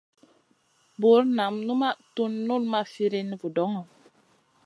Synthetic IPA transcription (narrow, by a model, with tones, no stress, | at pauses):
bu˨˦ɾna˨mnu˦ma˦tu˦nːu˦lma˦fi˦ɾi˦n˦vu˨dɔ˨˦ŋɔ˨